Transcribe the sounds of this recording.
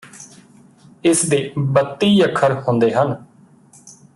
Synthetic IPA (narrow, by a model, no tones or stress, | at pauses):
ɪsd̪eːbət̪ːiːəkʰːəɾhʊ̃nd̪eːɦən